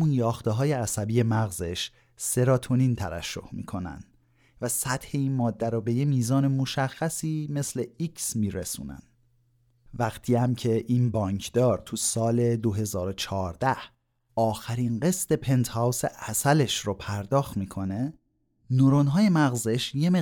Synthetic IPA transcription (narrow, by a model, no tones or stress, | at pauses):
munjɒːxt̪eɦɒːjeæsæbiːje̞mæɣze̞ʃ | se̞ɾɒːt̪ʰonint̪ʰævæ̰ʃːo̰hmḭːkʰo̞næ̰nd̪ | væsæt̪he̞inmɒːd̪ːæɾɔbe̞jemiːzɒːne̞mo̞ʃæxːæsiːme̞sle̞iksmiːɾesṵːnæ̰n | væqt̪ʰiːæmcʰe̞ʔinbɒːɲcʰd̪ɒːɾt̪ʰusɒːle̞d̪oɦe̞zɒːɾo̞t͡ʃʰɒːɾd̪æh | ɒːxæɾinɢe̞st̪e̞pʰe̞nt̪ʰhæwsḛʔæsæle̞ʃɾopʰæɾd̪ɒːxt̪miːkʰo̞ne̞ | noɾonɦɒːjemæɣzeʃjeme